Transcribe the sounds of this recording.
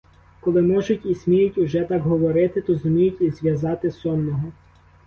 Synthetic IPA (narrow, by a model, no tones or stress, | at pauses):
kɔlˠɪmɔʒʊtʲisʲmʲijʊtʲʊʒɛt̪ɑkɦɔʋɔɾɪt̪ɪt̪ɔzʊmʲijʊtʲizʋʲjɐzɑt̪ɪsɔnnːɔɦɔ